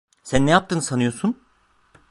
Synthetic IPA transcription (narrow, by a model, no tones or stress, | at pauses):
sænːejap̚t̪ʰɯːnɯsanɯjo̞sun